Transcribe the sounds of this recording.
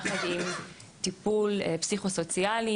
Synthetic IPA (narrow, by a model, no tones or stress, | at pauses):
χad̪im | t̪ipulpsiχoso̞t͡siali